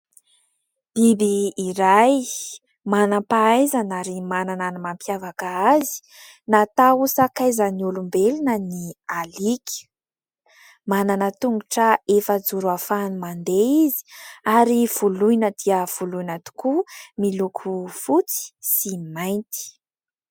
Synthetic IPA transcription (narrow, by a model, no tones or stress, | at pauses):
b̥ibiːɾaj | manapaajzanaɾimanananimampjavakaazi̥ | nat̪ausakajzəniulumbelinənialiki̥ | mananət̪uŋɡuʈ͡ʂəefəd͡zuɾuafanimand̪eizi̥aɾiv̥ulujnəd̪̥iəv̥ulujnət̪u̥kumilukʰufut͡si̥simajnt̪i̥